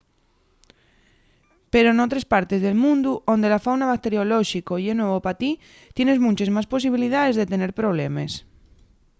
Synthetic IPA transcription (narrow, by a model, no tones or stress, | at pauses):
peɾonot̪ɾespaɾt̪ezðe̞lmũnd̪uʔo̞nd̪e̞lafawnaβak̚t̪e̞ɾjoloʃikojenweβopat̪i | t̪je̞nezmũnt͡ʃezmaspo̞siβ̞ilið̞aðe̞zðe̞t̪e̞ne̞ɾpɾo̞β̞lemes